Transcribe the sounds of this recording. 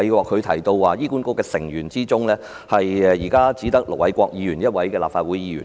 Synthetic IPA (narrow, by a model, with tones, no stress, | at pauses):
jkʷɔː˧k̚ʰːɵ˨˧t̪ʰɐ˨˩jt̪o˧wwaː˨jiː˥kuː˨˥nko˧˥kɛː˧sɪ˨˩ŋjyː˨˩nt͡siː˥t͡sʊ˥ŋlɛː˥ | hɐ˨jɛ˨jiː˨˩kaː˥t͡siː˨˥t̪ɐ˥k̚lʊ̰˨˩wɐ˨˥jkʷɔː˧k̚jiː˨˧jyː˨˩njɐ˥t̚wɐ˨˦˥jkɛː˧la̰ː˨pfaː˧t̚wuː˨˥jiː˨˧jy̰˨˩